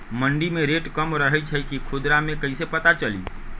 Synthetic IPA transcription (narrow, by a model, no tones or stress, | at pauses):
məɳɖimẽɾeʈkəmɾəɦɛt͡ʃʰəikikʰud̪ɾamẽkəisepət̪at͡ʃəlḭ